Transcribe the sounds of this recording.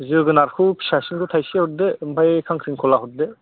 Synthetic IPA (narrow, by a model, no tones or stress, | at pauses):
zɯɡɯnaɾkʰupʰi̥sasiŋkʰɯt̪ʰajsehut̚debʱajkʰaŋkʰɾiŋkʰɔlaɦut̚de